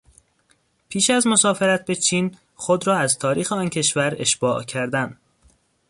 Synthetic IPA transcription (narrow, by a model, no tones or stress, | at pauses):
pʰiːʃæzmo̞sɒːfe̞ɾæt̪̚be̞t͡ʃʰiːn | xod̪ɾɒːæzt̪ʰɒːɾiːxeɒːncʰe̞ʃvæɾeʃb̥ɒːʔcʰæɾd̪æn